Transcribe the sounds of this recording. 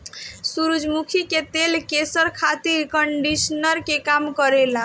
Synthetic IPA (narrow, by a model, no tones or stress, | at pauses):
suɾud͡ʒmukʰiket̪elkesəɾkʰat̪iɾkəɳɖisnəɾkekamkəɾel̃